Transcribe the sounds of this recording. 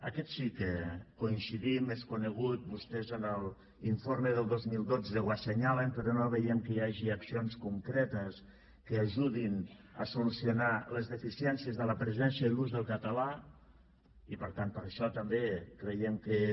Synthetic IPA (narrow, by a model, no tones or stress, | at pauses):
ə̰kɛsːikekuinsiðimeskunəɣ̞ut̪̚bust̪ɛzənəlˠ | iɱfoɾməðəlˠd̪ozmilˠd̪od͡zəwasəɲaləmpəɾɔnoβəjɛmkəjaʒiəksionskuŋkɾɛt̪əs | kəːʒuðinəsulusiunaləzðəfisiɛnsiəzðələpɾəzɛnsjəluzðəlˠkət̪əla | ipəɾt̪anpəɾəʃɔt̪əmbekɾejɛmkə